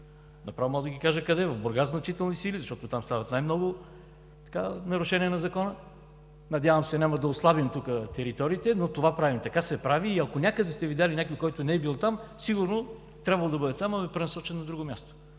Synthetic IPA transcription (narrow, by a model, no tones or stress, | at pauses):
nɐpɾavmɔlˠd̪əɡʲikaʒəkɐd̪ɛvɐvboɾɡaznɐt͡ʃit̪ɛlˠnisilizɐʃt̪ɔt̪ot̪amst̪avɐt̪najmnɔɡʊ | t̪ɐ̥kanɐɾʊʃɛnʲiɛnɐzɐkɔnə | nɐd̪ʲjavəmsɛnʲamɐd̪ɐoslˠabimt̪ukət̪ɛɾit̪ɔɾiːt̪ɛnot̪ovapɾavimt̪ɐkasɛpɾaviːɐkonʲakəd̪ɛst̪ɛvid̪ʲalʲinʲakojkɔjt̪ʊnɛːɛbilˠot̪amsiɡʊɾno | t̪ɾʲabvɐlˠod̪ɐbɤd̪ɛt̪amɐbɛpɾɛnɐsɔt͡ʃɛnnːɐd̪ɾuɡʊmʲast̪o̥